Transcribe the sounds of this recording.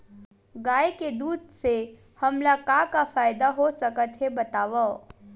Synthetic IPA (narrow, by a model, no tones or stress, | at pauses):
ɡaːjeked̪uːd̪se | hɐmlakakafaːjd̪aɦosəkət̪ɦebɐt̪aːʋa